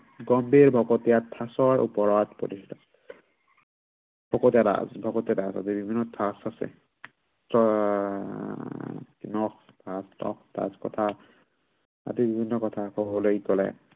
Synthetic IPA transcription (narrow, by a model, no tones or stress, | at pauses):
ɡɔmbiɹbʱɔkɔtijatʰːasɔɹṵpɔɹɔtpɔ̰ɾistʰḁ | bʱɔkotijada̰zbʱɔkotjadasa̰zibibʱinːɔtʰasasɛ̰ | tɔ | kinɔx | tʰastɔ̰kd̥a̰zkɔtʰa | a̰zibibʱinːɔkɔtʰakɔbɔlojkɔlɛ̰